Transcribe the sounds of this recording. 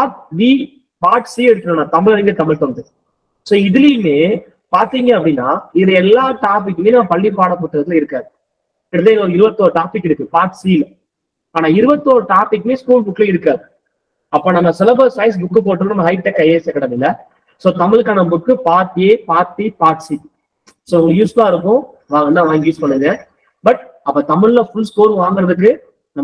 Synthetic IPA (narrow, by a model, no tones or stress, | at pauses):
paːʈʋiː | paːʈsiːɛɽɯtkːɯɾɐːnãːt̪ɐmɪɭɐɾɪŋɡɐt̪ɐmɪɭt̪ond̪ɯ | soːɪðɯlɪjmeː | paːɾt̪iːŋɡɐɐpːɽinːa̰ːɪðɯɛlːaːʈaːp̬ɪkːɯmeːnaːpɐɭːipaːɽɐpoːʈːɯɾɐðɪlɪɾɯkːaːðɯ | ɪɽɯt̪ːeːɪnɐɔɾɯɪɾɯbɐt̪ːoːɾɯʈaːpɪkːɪɽɯkːɯpaːʈsil | aːnaːɪɾɯbɐt̪ːoːɾɯʈaːpɪkːɯmeːskuːlbʊkːɪlɐɪɾɯkːaːðɯ | ɐpːoːnɐmːɐsɛlɐbɐsɐɪs̬bʊkːɯp̬oːʈːɯɐnɐmːɐɦɐɪp̚ʈɛkːɐjeːsɐkːɐɽɐʋɪlɐ | soːt̪ɐmɪɭkaːnɐbʊkːɯpaːɾtjeːpaːɾt̪ipaːʈsi | soːʊŋjuːsaːɪɾɯkːʊ̃ | ʋaːŋɐnːãːʋaːŋɡjuːspɐɳːɯŋɡɐ | bɐʈ̚ɐpːɐːt̪ɐmɪɭlɐfʊɭsʈoːɾʋaːŋɡɪɾɐðɯkːɯ | nɐm